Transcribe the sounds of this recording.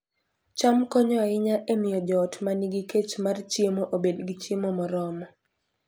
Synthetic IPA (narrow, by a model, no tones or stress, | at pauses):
t͡ʃamkɔɲɔaɪɲaʔemɪjɔd͡ʒɔːtmaniɡiket͡ʃmart͡ʃjemoʔobedɡit͡ʃimomɔɾɔmɔ